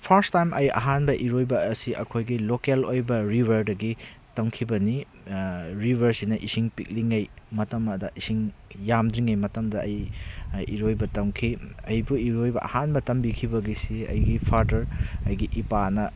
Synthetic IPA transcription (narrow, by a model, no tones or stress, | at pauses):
pʰɐɾstajmʔɐjɐ̰ɦanbɐʔiɾojbɐːsiʔɐ̰kʰojɡilokelojbɐɾibʱɐɾdɐɡi | tɐŋkʰibɐni | ɾibʱɐɾsinɐʔisiŋpik̚liŋɐjmɐtɐmɐdɐisiŋjamdɾiŋɐjmɐtɐmdɐɐj | ḭɾojbɐtɐŋkʰiɐjbuiɾojbɐʔɐ̰hanbɐtɐmbikʰibɐɡisiɐ̰jɡipʰaɾdɐɾɐjɡiʔipanɐ